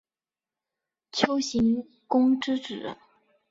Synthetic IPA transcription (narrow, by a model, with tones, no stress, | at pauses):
t͡ɕʰjo˥ʊɕi˧˥ŋ | kʊ˥ŋʈ͡ʂɻ̩˥ʈ͡ʂɻ̩˨˩˦